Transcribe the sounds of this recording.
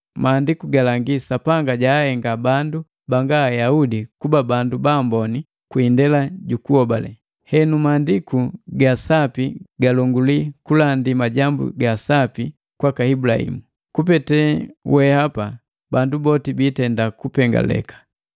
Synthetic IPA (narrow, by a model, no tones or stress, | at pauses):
maːndikuɡalaŋɡisapaŋɡaɟaːhɛŋɡabandu | baŋɡaːjaudikubabandubambɔni | kwindɛlaɟukuhɔbalɛ̰ | hɛnumaːndikuɡasapiɡalɔŋɡulikulandimaɟambṵɡasapi | kwakaibulahḭmu | kupɛtɛwɛhapa | bandubɔtibitɛndakupɛŋɡa̰lɛ̰kḁ